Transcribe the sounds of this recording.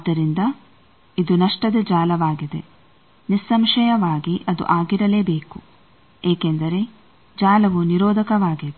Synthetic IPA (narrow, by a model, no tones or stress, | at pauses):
d̪ːɐɾind̪ɐ | id̪unɐʂʈɐd̪ed͡ʒaːlɐʋaːɡid̪ḛ | nisːɐmʃɐjɐʋaːɡiʔɐd̪ṵʔaːɡiɾɐleːbeːku | eːkend̪ɐɾe̞ | d͡ʒaːlɐʋuniɾɔːd̪ʱɐkɐʋaːɡid̪e